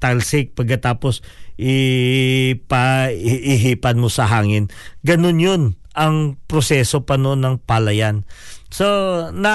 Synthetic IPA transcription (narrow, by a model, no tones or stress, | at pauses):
t̪alsɪk̚pɐɡ̚kːɐt̪aːposʔɪ | pɐʔɪɦiːpɐnmo̞sɐɦaːŋɪnɡɐno̞njon | ʔɐŋpɾosɛːso̞pɐnonɐŋpalɐjansonɐ